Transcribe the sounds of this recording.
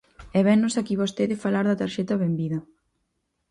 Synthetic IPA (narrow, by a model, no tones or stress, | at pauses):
ɛβɛnːosakiβost̪eðefalaɾðɐt̪aɾʃɛt̪ɐβembiðɐ